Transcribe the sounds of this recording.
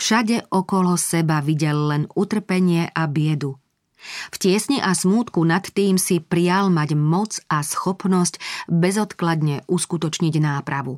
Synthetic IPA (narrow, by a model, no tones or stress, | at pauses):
fʃaɟɛʔɔkɔlɔsɛbaʋiɟɛlːɛnut̪r̩pɛɲɪɛʔabɪɛd̪u | fcɪɛsɲiʔasmuːt̪kunat̪ːiːmsipɾɪalmaɟmɔt͡sasxɔpnɔscbɛzɔt̪klad̪ɲɛʔuskut̪ɔt͡ʃɲiɟnaːpɾaʋu